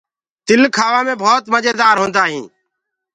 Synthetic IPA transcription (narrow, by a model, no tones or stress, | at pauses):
t̪ɪlkʰaːʋãːmẽːbʱoːt̪məd͡ʒeːd̪aːɾɦõːnd̪aːɦĩː